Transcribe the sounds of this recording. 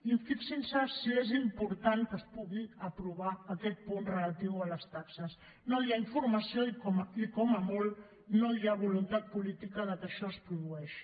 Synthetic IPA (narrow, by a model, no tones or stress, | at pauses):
iɱfiksinsasiezimpuɾt̪aŋkəspuɣiəpɾuβ̞aːkɛt̪̚punrələt̪iwələst̪aksəs | nojaiɱfuɾməsioikɔmikɔməmolˠ | noiaβulunt̪at̪̚pulit̪ikəðəkəʃɔəspɾuðuɛʃ